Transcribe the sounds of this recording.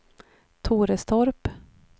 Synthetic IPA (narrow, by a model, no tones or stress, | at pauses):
t̪ʰuːɾəst̪ʰɔɾp